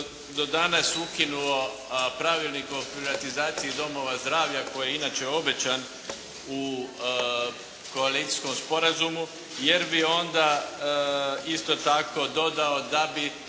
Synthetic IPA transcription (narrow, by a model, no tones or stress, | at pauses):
d̪o̞d̪anasukinuo | pɾaʋilˠnikopɾiʋat̪izaːt̪siid̪o̞mo̞ʋazd̪ɾaːʋʎako̞jjeinaːt͡ʃeo̞be̞t͡ɕan | u | ko̞aliːt̪i̥sko̞mspo̞ɾazumu | je̞ɾbio̞nd̪a | ist̪o̞t̪ako̞d̪o̞d̪ao̞d̪abi